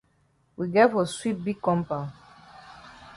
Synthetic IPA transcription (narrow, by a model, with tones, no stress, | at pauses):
wi˨ɡɛ˦fɔswi˦t̚bi˦ɡkːɔ̃˦mpã˨